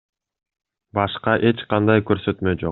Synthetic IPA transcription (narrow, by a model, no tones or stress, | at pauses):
bɑʃqɑʔe̞t͡ʃqɑnd̪ɑjkø̞ɾsø̞t̪mø̞d͡ʒo̞